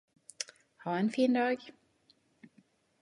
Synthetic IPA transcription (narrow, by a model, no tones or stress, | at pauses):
hɑɛnfiːnd̪ɑːɡ